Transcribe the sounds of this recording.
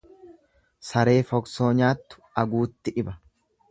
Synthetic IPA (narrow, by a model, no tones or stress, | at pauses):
sɐɾe̞ːfɔkso̞ːɲaːt̪ːʊ̥ɐɡuːt̪ːɪᶑɪbɐ